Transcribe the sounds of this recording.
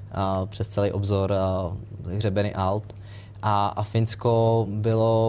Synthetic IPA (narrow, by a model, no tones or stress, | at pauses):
pr̝̥ɛst̪t͡sɛlɛjʔobzoɾ | ɣr̝ɛbɛnḭːʔalp | ʔaʔafɪnskobɪlo